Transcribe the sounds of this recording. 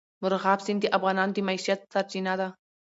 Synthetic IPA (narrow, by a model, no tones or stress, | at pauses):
mʊɾɣɑbsɪnd̪iʔafɣɑnɑnod̪imaiʃijat̪saɾt͡ʃinad̪a